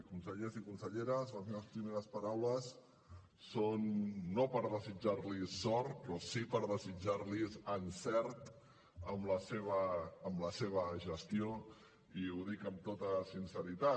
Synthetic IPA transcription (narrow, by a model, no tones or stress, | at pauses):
kunsəʎezikunsəʎeɾəzβanfeləspɾimeɾəspaɾawləsː | onːopəɾðəzid͡ʒaɾlisɔɾt̪pɾɔsipəɾðəzid͡ʒaɾlizənsɛɾt̪ | əmləseβ̞əːmləseβ̞əʒəst̪io | iuðikəmt̪ot̪əsinsəɾit̪a